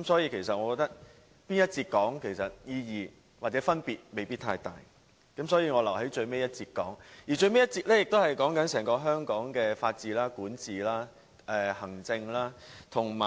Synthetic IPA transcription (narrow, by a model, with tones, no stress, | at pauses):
ɐ˦˥msɔː˨˥jiː˧kʰe˨˩jsɐ˨t̚ŋɔː˨˧kɔː˧k̚t̪ɐ˥k̚ | piː˥njɐ˥t̚t͡siː˧t̚kɔː˨˥ŋkʰe˨˩jsɐ˨t̚jiː˧jiː˨ | waː˨˩t͡sɛː˨˥fɐ˥npiː˨t̚me˨˩jpiː˥t̪ʰa̰ː˧jt̪a̰ː˨j | kɐ˨˥msɔː˨˥jiː˧ŋɔː˨˧lɐ˨˩wɦe˨˥jt͡ʃɵ˧ɥme˥jɐ˥t̚t͡siː˧t̚kɔː˨˥ŋjiː˨˩t͡ʃɵ˧ɥme˥jɐ˥t̚t͡siː˧t̚lɛː˥jɪ˨k̚t̪o˥whɐ˨jkɔː˨˥ŋkɐ˨˥nsɛː˨˩ŋkɔː˧ɦœː˥ŋkɔː˨˥ŋkɛː˧faː˧t̚t͡siː˨˩laː˥kuː˨˥nt͡siː˨˩laː˥ | ɛ˨˧hɐ˨˩ŋt͡sɪ˧ŋlaː˥t̪ʰʊ˨˩ŋmaː˨